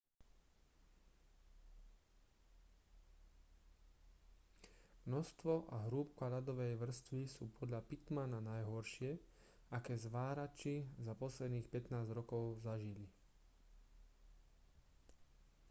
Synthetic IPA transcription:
mnɔst̪ʋɔʔaɦɾuːp̚kalad̪ɔʋɛjʋr̩st̪ʋisuːpʰɔd̪ʎapit̪mananajɦɔɾʃɪɛ | akɛːzʋaːɾat͡ʃizapɔslɛd̪niːxpɛt̪naːzɾɔkɔʊzaʒili

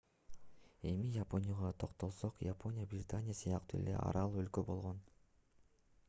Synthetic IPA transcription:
e̞mijapo̞nʲɪjaʁɑt̪ʰo̞qt̪o̞lˠso̞qjapʰo̞nʲɪjabrʲɪt̪anʲɪjasɨjɑqt̪uːe̞̰lḛʔɑ̰ɾɑlˠølkø̞bo̞lˠʁo̞n

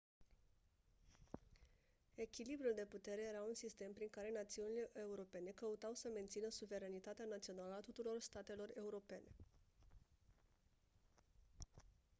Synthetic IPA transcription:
e̞kʲilibɾuld̪e̞put̪e̞ɾe̞je̞ɾaunsist̪e̞mpɾiŋkaɾe̞nat̪siunile̞ʔeuɾo̞pe̞ne̞kəut̪awsəme̞nt̪sinəsuve̞ɾenit̪at̪eanat̪sio̞naləat̪ut̪uɾo̞rst̪at̪e̞lo̞re̞uɾo̞pe̞ne̞

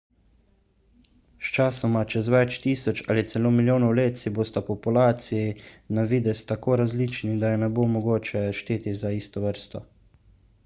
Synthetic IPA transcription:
st͡ʃaːsɔmat͡ʃɛzʋɛt͡ʃt̪iːsɔt͡ʃaːlit̪sɛloːmiljoːnɔwleːt̪siboːst̪apɔpulaːt̪sijinaʋiːd̪ɛst̪akoːɾazliːt͡ʃnid̪ajɛnɛbomɔɡoːt͡ʃɛʃt̪eːt̪izaiːst̪ɔʋəɾst̪ɔ

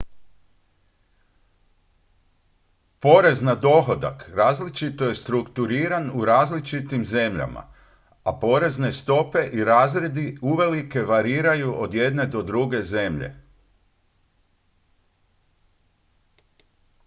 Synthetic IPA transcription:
po̞ɾe̞znad̪o̞xo̞d̪a̰kɾaːzlit͡ʃit̪o̞je̞st̪ɾukt̪uɾiːɾanuɾaːzlit͡ʃit̪imze̞mʎa̰ma̰ | apo̞ɾe̞zne̞st̪o̞pe̞ʔiɾaːzɾe̞d̪iuʋe̞like̞ʋaɾiːɾajuʔo̞d̪je̞d̪ne̞d̪o̞d̪ɾuɡe̞ze̞mʎe̞̰

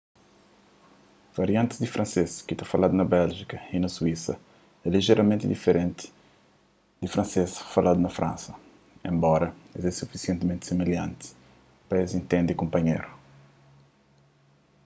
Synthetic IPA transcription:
v̥ɐɾiãnt̪i̥zd̪ifɾʔɐ̃nseskit̪afɐlad̪unɐbɛlʒikɐinɐsuisɐ̰ | ɛliʒɛɾɐmẽnt̪id̪ifeɾẽnt̪i̥ | d̪ifɾɐ̃nsesfɐlʔad̪unɐfɾʔã̰nsɐ | ḛ̃mbɔɾɐezɛsufisiɛ̃nt̪mẽnt̪semeljãnt̪i̥ | pɐezĩnt̪ẽnd̪ikõmpɐɲejɾu

